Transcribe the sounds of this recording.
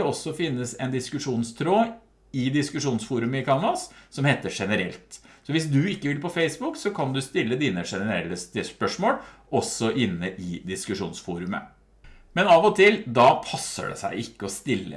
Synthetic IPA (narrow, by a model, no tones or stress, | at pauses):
ɛɔsːɔfɪnːəsɛnd̪ɪskʉʂuːnst̪ʰɾoː | ɪd̪ɪskʉʂuːnsfuːɾʉməɪkʰɑnɑsːɔmheːt̪əʂɛnəɾɛ̰lt̪sɔʋɪsd̪ʉɪkːəʋɪlpɔfeɪsbʊksɔkʰɑnd̪ʉst̪ɪlːəd̪iːnəʂɛnəɾɛlːəst̪əspœʂmoːlʔɔsɔʔɪnːəʔɪd̪ɪskʉʂuːnsfuːɾʉmə̰ | mɛnɑːʋɔt̪ʰɪld̪ɑpʰɑsːə̰ɖɛ̰sæ̰ɪɪkːəɔst̪ɪlːə̰